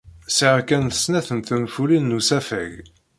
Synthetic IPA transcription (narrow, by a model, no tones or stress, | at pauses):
səʁkænθə̥snæθənt̪ənfulinːusæfæ̰ʝ